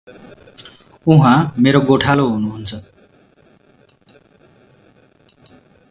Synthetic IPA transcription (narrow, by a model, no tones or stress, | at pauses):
uɦãmeɾoɡoʈʰaloɦunuɦunt͡sʰʌ